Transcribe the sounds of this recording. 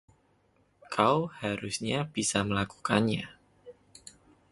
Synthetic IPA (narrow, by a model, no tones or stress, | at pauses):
kʰawhaɾʊsɲab̥isaməlaku̥kanɲa